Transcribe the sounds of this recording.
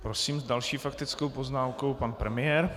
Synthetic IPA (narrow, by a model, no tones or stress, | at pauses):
pɾosiːmzdalʃiːfakt̪ɪt͡sko̞wpo̞znaːmko̞wpanpɾɛmɪjɛɾ